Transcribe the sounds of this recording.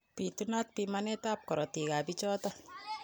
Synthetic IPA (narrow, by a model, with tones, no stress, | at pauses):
pituna˦t̚pimanɛ˦ta˦p̚kɔ˨ɾɔ˨ti˨ka˨pit͡ʃɔ˦ta˦